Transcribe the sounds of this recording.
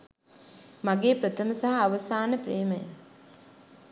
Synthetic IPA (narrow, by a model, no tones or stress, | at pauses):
maɡeːpɾət̪ʰəməsaɦɐaʋəsaːnəpreːməjə